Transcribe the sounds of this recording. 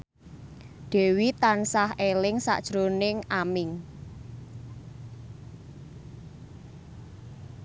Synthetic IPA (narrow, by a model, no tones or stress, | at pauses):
ɖ̥e̤wit̪ansahelɪŋsa̰ʔd̥ʒ̥ɾonɪŋamɪŋ